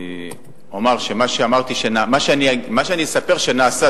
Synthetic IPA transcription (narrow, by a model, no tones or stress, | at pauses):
omaʁʃe̞maʃeamaʁt̪iʃenamaʃeanimaʃeanisapeʁʃe̞naːsa